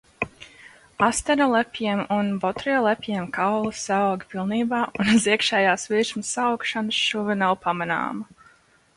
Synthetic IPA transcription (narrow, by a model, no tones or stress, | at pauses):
ast̪ɛɾalˠɛpʲjiɛmunbɔt̪ɾiɔlˠɛpʲjiɛmkawlˠɨsːaːwɡʲpilˠniːbaːʔunaziɛkʃɛːjaːsviʃməsːaːwkʃansʃuvɛnawpamana̰ːmɐ